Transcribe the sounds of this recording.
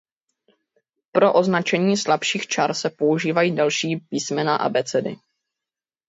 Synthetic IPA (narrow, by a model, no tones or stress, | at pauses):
pɾo̞ʔo̞znat͡ʃɛɲiːslapʃiːxt͡ʃaɾsɛpo̞uʒiːvajiːdalʃiːpiːsmɛnaʔa̰bɛt͡sɛdɪ̰